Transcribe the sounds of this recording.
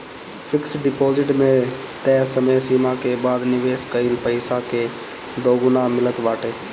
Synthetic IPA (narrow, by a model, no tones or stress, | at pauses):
pʰɪksɖɪpoːzɪʈmẽ | t̪ɛːsəməjsiːmakebaːd̪nɪʋeːskəilpəɪsake | d̪oːɡʊnamɪlət̪baːʈeː